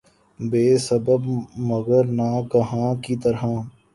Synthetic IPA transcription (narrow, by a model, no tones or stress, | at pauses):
beːsɐbəbmɐɡəɾnakɐɦãːkit̪əɾɦãː